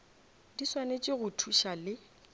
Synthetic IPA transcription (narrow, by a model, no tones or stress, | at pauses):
diswanet͡ʃʼɪɣʊtʰuʃalɪ